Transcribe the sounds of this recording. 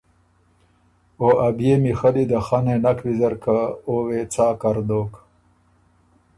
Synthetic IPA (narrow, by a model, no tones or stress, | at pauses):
oːʔabjemixɐlid̪axanenakbizɐɾkaowet͡saːkaɾd̪oːk